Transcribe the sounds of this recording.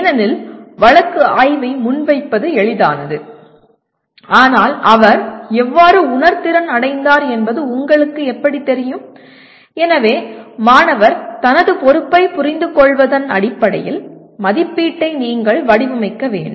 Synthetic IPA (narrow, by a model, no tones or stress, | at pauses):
nɐnɪlʋɐɭɐkːɯaːjʋɐɪmʊnʋɐɪpːɐðɯɛɭɪða̰ːnɐðɯ | aːnaːlɐʋɐɾɛʋːaːɾɯʊnɐɾt̪ɪɾɐnɐɽɐɪnd̪aːɾɛnbɐðɯʊŋɡɐɭɯkːɯɛpːɐɽit̪ːɛɾɪjɯm | ɛnɐʋeːmaːnɐʋɐɾt̪ɐnɐðɯpɔɾɯpːɐɪpʊɾɪnd̪ɯkɔɭʋɐðɐnɐ̰ɽɪpːɐɽɐ̰jɪl | mɐðɪpːiːʈːɐɪniːŋɡɐɭʋɐɽɪʋɯmɐɪkːɐʋḛːɳ